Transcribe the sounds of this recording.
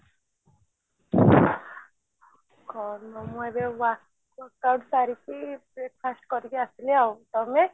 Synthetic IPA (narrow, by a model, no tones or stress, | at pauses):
kɔnɔmɔebewa | kawɖsaɾikibɾekʰasʈkɔɾikiasileawt̪ɔme